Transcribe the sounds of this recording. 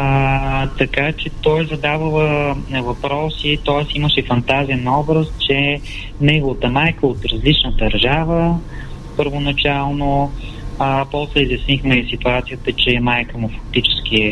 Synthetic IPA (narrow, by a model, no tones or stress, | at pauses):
t̪ɐkat͡ʃɛt̪ɔjzɐd̪avəlˠəvɐpɾɔsit̪ɔəsiməʃɛfɐnt̪azijənɐɔbɾəst̪t͡ʃɛ | nɛɡʊvət̪əmajkəot̪ɾɐzlit͡ʃnəd̪ɐɾʒavə | pəɾvonɐt͡ʃalˠno | pɔslɛizjɐsnixmɛsit̪uat̪sijət̪ət͡ʃɛmajkəmʊfɐk̚t̪it͡ʃɛ̥sk̟iɛ